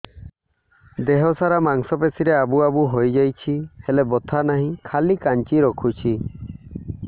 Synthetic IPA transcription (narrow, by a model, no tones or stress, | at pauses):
d̪eɦɔsaɾamaŋsɔpesiɾeabuabuɦojd͡ʒajt͡ʃʰihelebɔt̪ʰanaɦĩkʰalikaɲt͡ʃiɾɔkʰut͡ʃʰi